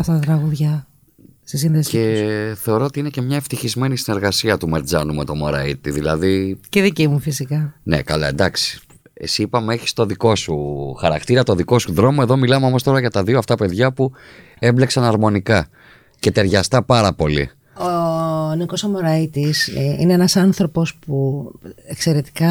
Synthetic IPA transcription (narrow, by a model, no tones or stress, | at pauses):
ɐft̪ɐt̪ɐt̪ɾɐɣuðʝɐ | st̪is̬inðesceθe̞o̞ɾo̞ot̪iine̞ce̞mɲɐe̞ft̪içizme̞nisine̞ɾɣɐsiɐt̪umeɾd͡zɐnume̞t̪o̞mo̞ɾɐ̰it̪iðilɐ̰ðiceðicimufisikɐnḛkɐlɐ̰end̪ɐksi̥ | ḛsipɐmeeçi̥st̪o̞ðiko̞suxɐɾɐ̰kt̪iɾɐt̪oðiko̞suðɾo̞moe̞ðo̞milɐmeo̞mo̞st̪o̞ɾɐʝɐt̪ɐðioɐft̪ɐpe̞ðʝɐpu | e̞mble̞ksɐnɐɾmo̞nikɐ | ce̞t̪e̞ɾʝɐst̪ɐpɐɾɐpo̞lḭ | onikosomoɾɐit̪isḭneenɐsɐnθɾo̞po̞spuekse̞ɾe̞t̪i̥kɐ